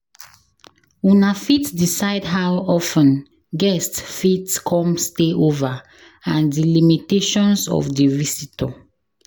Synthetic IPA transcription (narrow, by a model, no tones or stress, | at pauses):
unafitdisaɪdɦawɔfə̃n | ɡɛstfitkʰɔ̃msteʔova | ãndilimiteʃɔ̃nsɔ̰fdivisitɔ